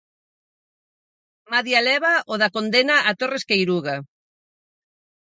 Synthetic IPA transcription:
maðjalɛβaʔoðakond̪enaʔːt̪oreskejɾuɣ̞a

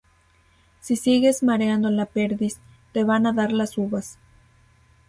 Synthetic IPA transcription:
sisiɣe̞smaɾeand̪olapeɾðis | t̪eβanaðaɾlasuβas

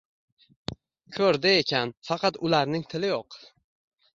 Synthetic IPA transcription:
kʲʰɵɾd̪ɪekʲʰanfɑqʰɑt̪ʊlaɾnɪŋt̪ʰɪlɪjoq

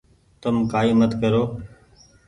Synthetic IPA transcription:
t̪əmkaːiːmət̪kəɾoː

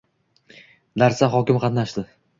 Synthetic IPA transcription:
d̪aɾsaɦɒkʲɪmqʰɑt̪naʃt̪ɪ

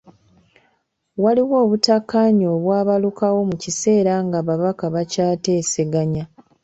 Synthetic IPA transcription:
waliwo̞ːβutakːaɲo̞ːβwaːβalukawo̞mucise̞ːɾaŋɡaβaβakaβacaːte̞ːse̞ɡaɲa

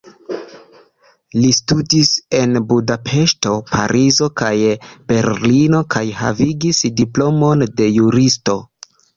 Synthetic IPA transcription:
listudise̞nbudapʰe̞ʃto̞pʰa̰ɾʔizo̞kajb̥e̞ɾlino̞kʰajha̰viɡisdiplo̞mo̞nde̞juɾisto̞

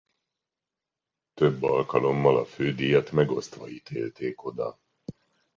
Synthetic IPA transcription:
t̪øbːɒlkɒlo̞mːɒlɒføːd̪iːjɒt̪mɛɡo̞st̪ʋɒit̪ʰḛːlt̪eːko̞d̪ɒ̰

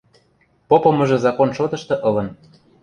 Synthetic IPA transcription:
popɤmɤ̆ʒĕzɑkonʃot̪ɤ̆ʃt̪ɤ̆ʔɤ̆lɤ̆n

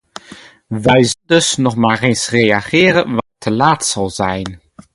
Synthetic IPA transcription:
ʋɛjzədɵsnɔχmaːrensrejaχɪːɾənʋɑtʰːəlaːtsɑlˠzɛjn

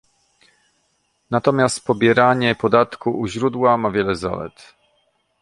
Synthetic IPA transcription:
nat̪ɔmʲjast̪pɔbʲjɛɾaɲɛpɔd̪at̪kuuʑɾud̪wamavʲjɛlɛza̰lɛ̰t̪

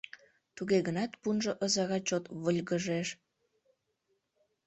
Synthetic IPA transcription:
t̪uɣeɣənɑt̪punʒŏʔəzɑɣɑt͡ɕot̪βəlʲɣəʒeʃ

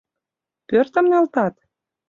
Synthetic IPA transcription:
pørt̪ə̆mnɤ̆lt̪ɑt̪

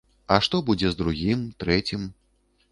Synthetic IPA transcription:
ɐʂt̪ɔbud͡zʲɛzd̪ɾuɣʲimt̪ɾɛt͡sʲim

